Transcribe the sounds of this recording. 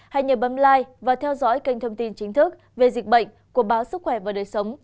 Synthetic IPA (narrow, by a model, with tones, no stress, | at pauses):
ha˧jɲə˨˩p̚ɓə˨˦nlaː˧jvaː˨˩t̪ʰɛ˧wzɔ̰˧˥jka˧jŋ̟t̪ʰə˧wŋ͡mt̪i˧nt͡ɕï˨˦ŋt̪ʰɨ˦˥k̚ | ve˨˩zi˨˩k̟̚ɓə̰˧˨ŋ̟ku˧˩əɓaː˨˦wsɨ˦˥k̚xwɛ˧˩vaː˨˩ɗəː˨˩jsə˨˦wŋ͡m